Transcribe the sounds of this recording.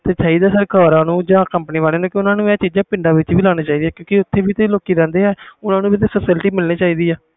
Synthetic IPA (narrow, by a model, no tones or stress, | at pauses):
t̪eːt͡ʃaːiːd̪aːsəɾkaːɾãːnũːd͡ʒãːkəmpəniːʋaːleːnũːkɪʊnãːnũːɛːt͡ʃiːd͡ʒãːpɪ̃ɳɖaːʋɪt͡ʃʋiːlaːñãːt͡ʃaːiːd̪ijɛːkjõːkɪʊt̪ʰːeːʋiːt̪eloːkiːɾɛ̃ːnd̪eːɛːʊnãːnũːbiːt̪eːfʰəsɪlʈiːmɪlniːt͡ʃaːiːd̪iːaː